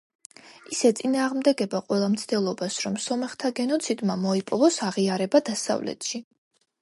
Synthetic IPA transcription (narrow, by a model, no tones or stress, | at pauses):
isɛt̪sʼinaːʁmd̪ɛɡɛbaqʼwɛlˠamt̪sʰd̪ɛlˠɔbasɾɔmsɔmɛχt̪ʰaɡɛnɔt̪sʰid̪mamɔipʼɔvɔsaʁiaɾɛbad̪asa̰vlɛ̰t̪ʰʃi